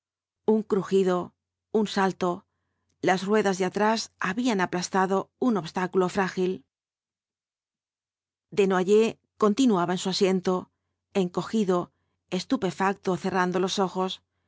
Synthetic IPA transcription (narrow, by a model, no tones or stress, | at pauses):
uŋkɾuxiðo̞ | unsalt̪o̞ | lasrwe̞ðazðeat̪ɾasaβianaplast̪aðo̞uno̞βst̪akulo̞fɾaxil | d̪e̞noaʝe̞ | ko̞nt̪inuaβaensuasje̞nt̪o̞ | e̞ŋko̞xiðo̞ | e̞st̪upe̞fak̚t̪oθe̞rand̪o̞lo̞so̞xo̞s